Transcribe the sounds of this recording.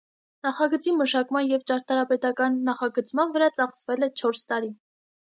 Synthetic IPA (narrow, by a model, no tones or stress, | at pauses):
nɑχɑɡət͡siməʃɑkmɑnjɛvt͡ʃɑɾt̪ʰɑɾɑpɛt̪ɑkɑnːɑχɑɡət͡sʰmɑnvəɾɑt͡sɑχsvɛlɛt͡ʃʰɔɾst̪ɑɾi